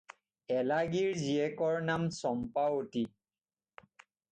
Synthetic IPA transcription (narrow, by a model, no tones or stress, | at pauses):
ɛlaɡiɹziɛkɔɹnamsɔmpawoti